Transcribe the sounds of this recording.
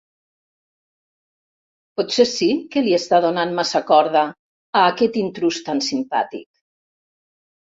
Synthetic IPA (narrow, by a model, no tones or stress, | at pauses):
pɔt̪sesikeliest̪aðonanmasakɔɾða | aːkɛt̪int̪ɾust̪ansimpa̰t̪ḭk̚